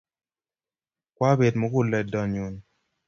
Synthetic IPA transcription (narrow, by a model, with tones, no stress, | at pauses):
kwa˦be˨dmo˨˦kʊ˦˨lɛ˨dɔ˨ɲu˨n